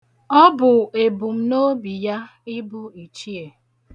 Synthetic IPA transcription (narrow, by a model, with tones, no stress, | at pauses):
ɔ˦bʊ˨e˨bu˨m̩˦no˦bi˨ja˦ | i˦bu˦i˨t͡ʃi˦e˨